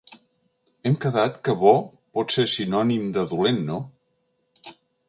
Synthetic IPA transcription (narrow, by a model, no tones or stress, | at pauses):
ɛmkəðat̪kəβɔ | pɔt̪sesinɔnimd̪əðulenːo